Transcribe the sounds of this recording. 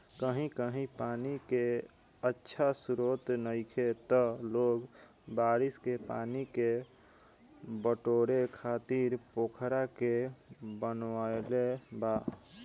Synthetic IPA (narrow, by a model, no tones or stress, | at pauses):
kəɦĩkəɦĩpaːnike | ətːʃʰasʊɾoːt̪nəɪkʰet̪əloːɡ | baːɾɪskepaːnike | bəʈoːɾekʰaːt̪iɾpoːkʰɾakebənʋaelebaː